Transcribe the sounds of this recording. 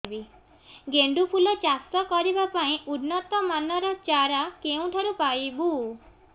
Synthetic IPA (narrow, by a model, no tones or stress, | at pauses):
bi | ɡeɳɖupʰulɔt͡ʃast̪ɔkɔɾibapaĩʔudnːɔt̪ɔmanɔɾɔt͡ʃaɾakeũʈʰɔɾupajbu